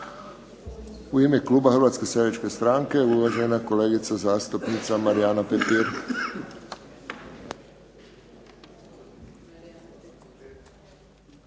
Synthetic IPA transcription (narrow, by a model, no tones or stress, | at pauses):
uimekluːbaxɾʋat̪skesait͡ʃke̞st̪ɾaːŋkeuʋaʒenako̞leːɡit̪sazaːst̪upnit̪samaɾijaːnapepiɾ